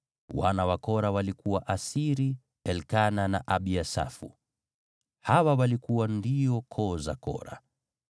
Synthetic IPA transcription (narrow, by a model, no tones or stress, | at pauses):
wa̰nawakɔɾawalikuwaʔasiɾi | ɛlkananaʔaɓiasa̰fṵ | hawawalikuwandiɔkʰɔza̰kɔ̰ɾa̰